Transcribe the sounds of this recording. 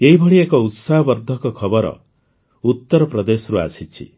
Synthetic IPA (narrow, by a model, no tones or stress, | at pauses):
eɦibʱɔɭiekɔut̪saɦɔbɔɾd̪ʱɔkɔkʰɔbɔɾɔ̰ | ut̪ːɔɾɔpɾɔd̪esɔɾua̰sit͡ʃʰḭ